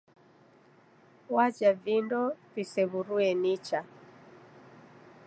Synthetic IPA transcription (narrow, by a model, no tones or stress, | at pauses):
wad͡ʒavindɔtisɛβuɾuɛnit͡ʃa